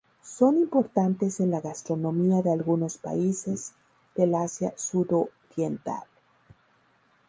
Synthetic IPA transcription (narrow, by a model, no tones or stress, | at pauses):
so̞nimpo̞ɾt̪ant̪e̞senlaɣast̪ɾo̞nõ̞miaðealɣuno̞spa̰ise̞z̥ | d̪̥elasjasuðoɾje̞nt̪a̰l